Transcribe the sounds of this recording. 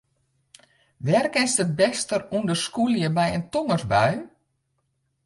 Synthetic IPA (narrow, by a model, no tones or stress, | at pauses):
ʋɛrkɪnsdəbɛstərundəskuljəbɛjəntoŋərzbaɥ